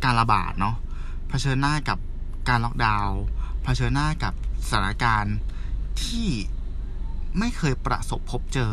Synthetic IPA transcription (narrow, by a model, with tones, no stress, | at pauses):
kaː˧nla˧ba̰ː˨˩t̪̚nɔ˦˥ | pʰa˧t͡ɕʰɤː˧nːaː˥˩ka˨˩p̚kaː˧nlɔː˥˩k̚daː˧wpʰa˧t͡ɕʰɤː˧nːaː˥˩ka˨˩p̚sḁ˧˩t̪ʰa˦˩a˦˧kaː˧nt̪ʰiː˥˩ | ma˥˩jkʰɤː˧jpɾa̰˧so˨˩pʰːo˦˥p̚t͡ɕɤː˧